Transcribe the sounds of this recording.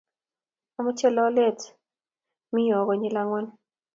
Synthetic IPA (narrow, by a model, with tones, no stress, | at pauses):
a˨mʊ˦t͡ʃɛ˦lɔ˦lɛ˦˨t | mi˦jɔ˨kɔ˨ɲi˦la˦ŋɔ˦n